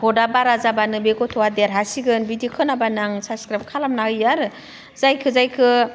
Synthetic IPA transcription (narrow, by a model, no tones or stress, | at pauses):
hʰɔdabaɾazabanɯbeɡɔtʰɔwadeɾɦasiɡɯnbidikʰɯnabanaŋsaskɾap̚kʰalamnajaɾɯ | zajkʰɯzajkʰɯ